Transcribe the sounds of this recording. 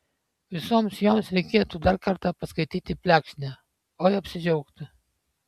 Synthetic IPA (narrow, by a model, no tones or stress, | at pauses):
ʋʲɪsɔmsjɔmsɾʲɛɪkʲeːt̪ud̪aɾkɐɾt̪ɐpɐskɐjt̪ʲiːt̪ʲipʲlʲækʃʲnʲɛ | ɔjɐpʲsʲɪd͡ʒɔʊkt̪ʲɨ